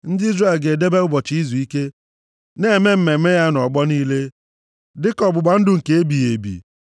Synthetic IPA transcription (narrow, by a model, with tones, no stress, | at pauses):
n̩˦dɪ˦i˦zre˦˨lɡe˨de˦be˦ʊ˦bɔ˨t͡ʃi˨i˦zu˨i˦ke˦ | ne˦e˨me˦m̩˦me˨˦me˦ja˦n˨ɔ˨ɡ͡bɔ˦niː˦le˦ | dɪ˦kɔ˨bʊ˨ɡ͡ba˨n̩˦dʊ˨ŋ̩˨ke˨e˦bi˨je˨bḭ˨